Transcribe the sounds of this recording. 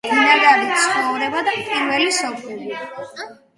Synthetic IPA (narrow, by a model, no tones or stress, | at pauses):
inaɡ̪aɾit̪sʰχɔvɾɛbad̪apʼiɾvɛlisɔpʰuli